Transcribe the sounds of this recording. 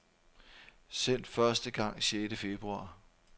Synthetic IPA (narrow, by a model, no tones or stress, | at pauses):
sen̰d̥fɶɐsd̥əɡ̥ɑ̈ŋ̰ɕeːd̥əfe̝b̥ʁuɑ̈ː